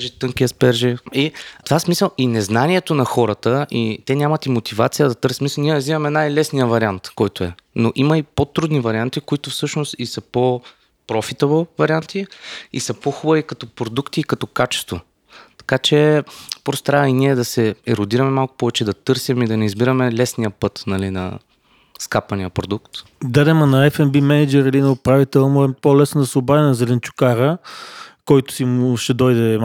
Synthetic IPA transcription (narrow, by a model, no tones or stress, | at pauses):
ʒit̪ɤŋkiəspɛɾʒɛit̪ovasmisəlˠinɛznaniɛt̪onɐxɔɾət̪əʔit̪ɛnʲamɐt̪imot̪iva̰t̪sijəd̪ɐt̪ɤɾsmisniɛɾɐzivɐmɛnajlɛsnijəvɐɾiant̪kɔjt̪oɛnoʔimɐipot̪ɾud̪nivɐɾiant̪ikoit̪ʊfsɤʃnost̪isəpo | pɾɔfit̪ovovɐɾiant̪iḭsəpoxubəvikɐt̪ɔpɾod̪ukt̪iːkɐt̪ɔkat͡ʃɛ̥st̪vo̰ | t̪ɐ̥kat͡ʃɛpɾost̪ɾainiɛd̪ɐsɛɛɾod̪iɾɐmɛmalˠkʊ̥pɔvɛt͡ʃɛd̪ɐt̪ɤɾsimid̪ɐnɛizbiɾɐmɛlɛsnijəpɤt̪nɐlinɐ̰ | skapɐnijəpɾod̪ukt̪ | d̪ad̪ɛmɐnɐɛfɛnbimɛnɛd͡ʒɛɾilinɛʊpɾavit̪ɛlˠmɔɛpolɛsnod̪ɐsɛʊbavɛnɐzɛlɛnt͡ʃu̥kaɾə | kɔjt̪ʊ̥simʃɛd̪ɔjd̪ɛ